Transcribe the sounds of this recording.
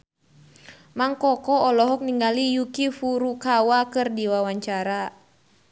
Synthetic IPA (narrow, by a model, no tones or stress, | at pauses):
maŋkɔkɔɔlɔɦɔk̚niŋɡalijukifuɾukawakɨrdiwawaɲt͡ʃaɾa